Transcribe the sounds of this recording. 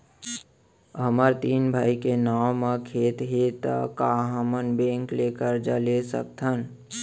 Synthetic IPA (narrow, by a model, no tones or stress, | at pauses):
ɦəməɾt̪iːnbʱaːikenaːwmakʰeːt̪ɦet̪ə̰kaɦəmənbẽːŋklekəɾd͡ʒəlesə̰k̚t̪ʰən